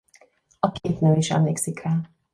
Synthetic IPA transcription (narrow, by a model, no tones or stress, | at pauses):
ɒkʰeːt̪nøːiʃɛ̰mleːksikraː